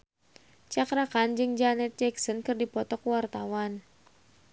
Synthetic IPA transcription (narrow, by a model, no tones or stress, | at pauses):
t͡ʃakɾakand͡ʒɨŋd͡ʒanɛt̪̚d͡ʒɛksɔnkɨrdipɔt̪ɔkwart̪awan